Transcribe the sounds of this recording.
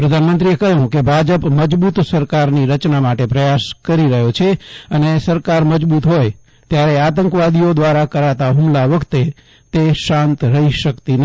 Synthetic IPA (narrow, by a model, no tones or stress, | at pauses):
pɾəd̪ʱanmənt̪ɾiekəɦũkebʱad͡ʒəpməd͡ʒbut̪səɾkaɾniɾət͡ʃnamaʈepɾəjaskəɾiɾəɦjot͡ʃʰeənesəɾkaɾməd͡ʒbut̪ɦoj | t̪jaɾeat̪ə̃ŋkʋad̪ijod̪ʋaɾakəɾat̪aɦumlaʋəkʰt̪e | t̪eʃãnt̪ɾəɦiʃəkt̪inə